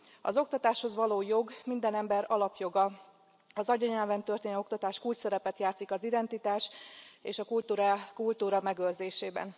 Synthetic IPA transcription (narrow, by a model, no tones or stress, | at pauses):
ɒ̰zo̞k̚t̪ɒt̪aːʃho̞zʋɒloːjo̞ɡmind̪ɛnɛmbɛɾɒlɒpjo̞ɡɒ | ɒzɒɟɒɲɛlvɛnt̪ø̞rt̪eːno̞kt̪ɒt̪aːʃkuːlt͡ʃsɛɾɛpɛt̪jaːt̪sikɒzid̪ɛnt̪it̪aːʃeːʃɒkult̪uɾakult̪uːɾɒmɛɡørzeːʃeːbɛ̰n